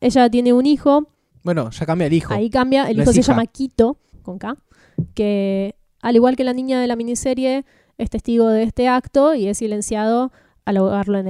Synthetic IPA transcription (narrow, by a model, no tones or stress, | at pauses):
e̞ʒat̪je̞ne̞unixo̞ | bweno̰ʒ̥akambjaelixoaikambjaʔelixosseʃʒamakit̪o̞ | ko̞ŋka | ke | aliɣwalke̞lanĩɲaðe̞lamĩnise̞ɾje̞ | est̪e̞st̪iɣo̞ðeest̪e̞akt̪o̞ie̞sːile̞nsjað̞o̞ | aloɣaɾloen